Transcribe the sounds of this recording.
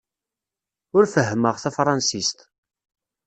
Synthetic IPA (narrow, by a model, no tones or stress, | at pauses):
ʊɾfəɦːməʁθæfɾˤɑnsist̪